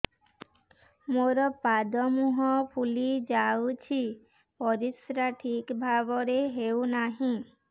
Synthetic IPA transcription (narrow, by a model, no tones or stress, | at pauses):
moɾɔpad̪ɔmuɦɔpʰulid͡ʒawt͡ʃʰi | pɔɾisɾaʈʰikbʱaβɔɾeɦewnaɦĩ